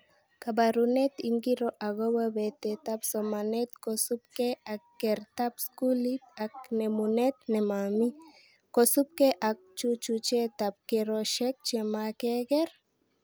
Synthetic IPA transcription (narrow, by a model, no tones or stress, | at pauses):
kabaɾunet̪iŋɡiɾoʔaɡowabet̪et̪apsomanet̪kosup̚keakːeɾt̪apskulit̪ak̚nemunet̪nemami | kosup̚keʔak̚t͡ʃut͡ʃut͡ʃet̪ap̚keɾoʃek̚t͡ʃemakekeɾ